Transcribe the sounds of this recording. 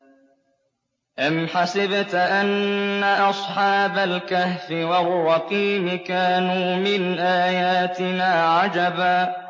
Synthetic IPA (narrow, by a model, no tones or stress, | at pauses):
ʔamħasɪbt̪ʔanːaʔɑsˤħɑːbalkahfɪwarˤːɑqiːmɪkaːnuːmɪnʔaːjaːt̪ɪnaːʕad͡ʒabaː